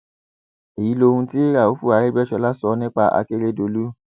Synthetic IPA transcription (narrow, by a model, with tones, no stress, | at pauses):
e˨ji˨˦lo˧hũ˧ti˦ɾa˦˨o˨˦fu˦˨a˨˧ɾe˦bɛ˦ʃɔ˧la˦sɔ˧nĩ˦k͡pa˧ʔa̰˧ke˦ɾe˦do˧lu˦